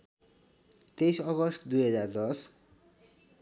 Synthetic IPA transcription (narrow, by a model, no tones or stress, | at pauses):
t̪esʌɡʌst̪d̪ujɦʌd͡zard̪ʌs